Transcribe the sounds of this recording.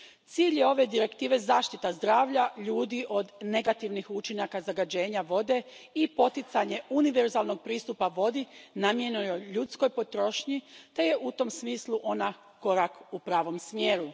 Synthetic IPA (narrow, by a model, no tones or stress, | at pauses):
t̪siːʎje̞o̞ʋe̞d̪iɾe̞kt̪iːʋe̞zaːʃt̪it̪azd̪ɾaːʋʎaʎuːd̪iʔo̞d̪ne̞ɡat̪iʋnixut͡ʃinakazaɡad͡ʑe̞ːɲaʋo̞d̪e̞ipo̞t̪it̪saɲe̞uniʋe̞ɾzaːlˠno̞ɡ̚pɾiːst̪upaʋo̞d̪inamje̞nujoʎut̪sko̞jpo̞t̪ɾo̞ʃɲit̪e̞je̞ʔut̪o̞msmiːslˠuʔo̞na | ko̞ɾakupɾaːʋo̞msmjeːɾu